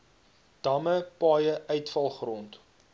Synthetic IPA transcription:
d̥ɐməpɑːjəœɥtfɐlˠχrɔnt

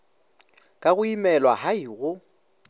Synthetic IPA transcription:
kʼaɣʊimɛlwaɦaiɣʊ

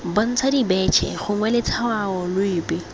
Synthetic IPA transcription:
bɔn̩t͡sʰadibɛt͡ʃʰɛ̰χʊŋwɛlɪt͡sʰawaɔlʊɪːbɪ

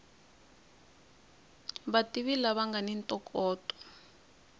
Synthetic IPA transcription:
βatʼiβilaβaŋɡanintʼɔkʰʼɔːtʼɔ̥

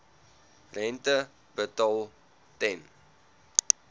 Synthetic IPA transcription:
rɛntə | bətɑlˠ | tɛn

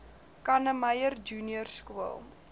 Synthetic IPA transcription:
kɐnəməjərd͡ʒuːnjərskuəlˠ

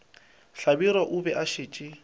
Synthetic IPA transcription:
ɬabiɾɔʔʊbɛʔaʃɪːt͡ʃʼɪ

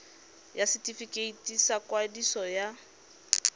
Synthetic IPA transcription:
jasitifikʼeitʼisakʼwadisɔja

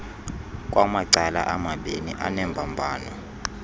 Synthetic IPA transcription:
k̬ʼwamaǀala̰ʔamaɓeniʔanɛmbʱambʱaːnɔ

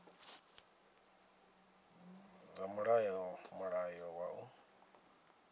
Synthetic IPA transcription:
zamaɺajɔmaɺajɔwaʔu

